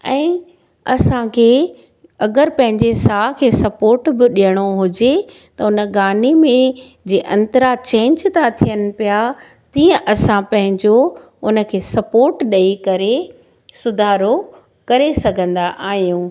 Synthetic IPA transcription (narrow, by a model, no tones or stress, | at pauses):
ɛ̃ː | ɐsãkʰeː | ɐɡəɾpɐ̃ɦɪ̃ɲd͡ʑesaːɦkʰeːsɐpoːɾʈbɪɗijəɽ̃oɦʊd͡ʑe | t̪ɐʊnə̆ɡaːnimẽ | d͡ʑeːʔɐ̃nt̪əɾat͡ɕẽːɲd͡ʑt̪ʰat̪ʰijənɪ̆pija | t̪iːə̃ʔɐsãpɐ̃ɦɪ̃ɲd͡ʑo | ʊnə̆kʰeːsɐpoːɾʈɗɐikɐɾe | sʊd̪ʱaːɾo | kɐɾesɐɡʱə̃nd̪aʔaːɦijũː